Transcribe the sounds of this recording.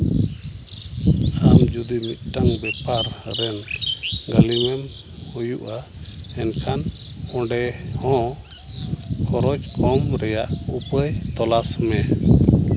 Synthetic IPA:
amd͡ʒud̪imit̪̚ˀʈaŋbɛpaɾːɛnɡalimɛm | hujuʔaɛnkʰanɔ̃ɖɛhɔ̃ | kʰɔɾɔd͡ʒkʰɔmɾɛjaʔupəjt̪ɔlasmɛ

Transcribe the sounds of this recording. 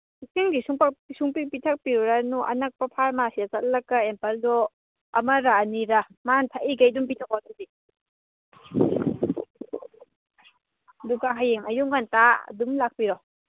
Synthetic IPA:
isiŋɡisuŋpaksuŋpik̚pitʰɐk̚piuɾanuʔɐ̰nɐk̚pɐpʰaɾmasiat͡ʃɐt̚lɐkːaempɐlːɔ | ɐ̰mɐɾaniɾamantʰaʔiɡajdumpitʰak̚wadudi | ɐduɡaɦajeŋʔɐjuŋɡanta̰dumlak̚piɾɔ

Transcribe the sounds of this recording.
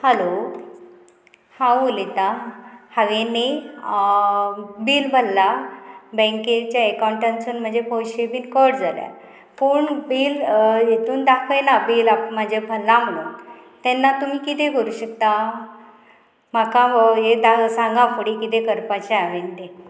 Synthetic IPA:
həlo | hãwulet̪ahaʋene | biːlbʱəlːabɛ̃ŋket͡ɕjaekaɳʈansənm̤əɳd͡zepoɕebiːnkəɽd͡zalja̰ | puɳbiːljet̪uːnd̪akʰəjnabiːlapmad͡ʑebʰəlːam̤əɭuːn | t̪ɛnːat̪um̤iːkit̪ẽkʰəɾuːɕəkt̪a | m̤akaɦed̪asãŋɡãfəɽikit̪ekəɾpat͡ɕeaʋent̪e

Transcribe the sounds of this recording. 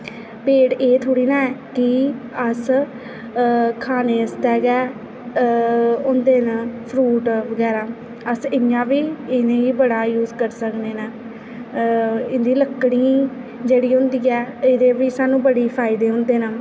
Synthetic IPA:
peːʈeːt̪ʰoːɽiːnãːɛːkɪ | əs | kʰaːneːəst̪ɛːɡɛː | ʊnd̪eːnəpʰɾuːʈʋəɡɛːɾaː | əsɪjãːʋiːɪnẽːiːbəɽaːjuːzkəɾsəkneːnə | ɪnd̪iːləkːɽĩː | d͡ʒeːɽiːɦʊ̃nd̪iːɛːɪd̪eːʋiːsaːnũːbəɽeːpʰaːɪd̪eːɦʊ̃nd̪eːnə

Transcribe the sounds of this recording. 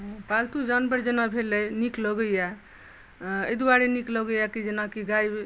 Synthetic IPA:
balt̪ud͡ʒanbəɾd͡ʒenabʱeləjnikləɡəja | ed̪uaɾenikləɡəjakid͡ʒenakiɡaj

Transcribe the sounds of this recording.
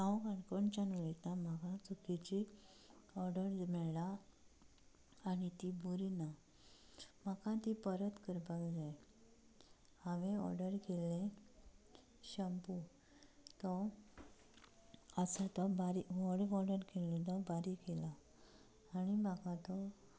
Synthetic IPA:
nãwkaɳkɔɳt͡ɕanuɭit̪namakat͡sukit͡ɕi | ɔɾɖəɾmɛɭla | nit̪ibuɾina | m̤akãt̪ipəɾət̪kəɾbəɡd͡zaj | ãʋẽɔ̰ɾɖəɾkelẽ | ɕəmpu | t̪ɔ | əsat̪ɔbaɾiʋɔɽɡɔɾɖəɾkelẽt̪ɔbaɾikelaː | ñimakat̪ɔ

